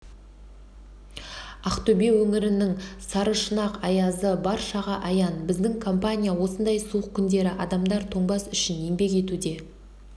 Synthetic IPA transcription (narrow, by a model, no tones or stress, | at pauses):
ɑqt̪ɵbe̞wɵŋɪɾɪnɪŋsɑɾəʃənɑqɑjɑzəbɑɾʃɑʁɑʔɑjɑnbɪzd̪ɪŋkʰo̞mpanʲijawo̞sənd̪ɑjsuəq̚kʲʰːʏnd̪e̞ɾɪʔɑd̪ɑmd̪ɑɾt̪ʰo̞ɴbɑsʏʃɪnje̞ŋbe̞k̬e̞t̪ud̪e̞